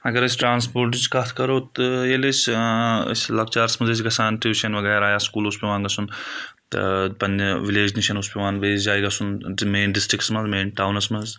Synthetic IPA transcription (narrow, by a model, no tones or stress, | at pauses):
ɐɡɐɾɐs̬ʲʈɾaːns̬poːɾʈit͡ʃkɐt̪ʰkɐɾoːt̪eles | sʲlɐk̚t͡ʃaːɾsmɐzes̬ɡɐsaːnʈɾiʋiʃɐnʋɐɡeːɾaːjaːskuːlʊspiʋaːnɡɐsun | t̪pɐnʋileːd͡ʒniʃɐnʊspiʋaːnʋeːsd͡ʒaːjɡɐsunmeːnɖɪsʈɾɪkʈsmɐzmeːnʈaːwnɐsmɐz